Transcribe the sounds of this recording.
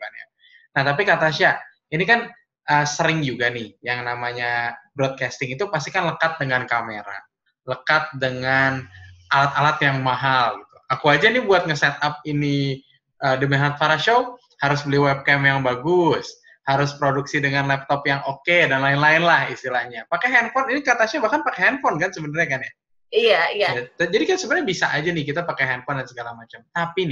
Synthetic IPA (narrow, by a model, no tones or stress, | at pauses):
ana̰ | naht̪apikat̪aʃa | inikan | ʔəːsəɾɪŋd͡ʒuɡanɪhjaŋnamaɲabɾɔd̪̚kɛst̪ɪŋit̪upas̬t̪ikanləkat̪̚dəŋankameɾa̰ | ləkat̪̚dəŋanalat̪alat̪jaŋmaɦalɡit̪u̥akuad͡ʒanibuat̪̚ŋəsɛt̪̚ap̚ini | ʔəːdəmɛɦalat̪̚faɾaʃo | haɾʊsbəliwɛb̚kɛmjaŋbaɡʊs | haɾʊspɾoduksidəŋanlɛp̚t̪ɔpjaŋokedanlaɪnlaɪnlahḭst̪ilahɲapakɛɦɛnfɔninikat̪aʃabahkanpakɛɦɛnfɔnkansəbənarɲakanja | ijaiajat̪d͡ʒadikat̪səbənaɲabisaʔad͡ʒanɪhkit̪apakɛɦɛnfɔndansəɡalamat͡ʃamt̪apinɪ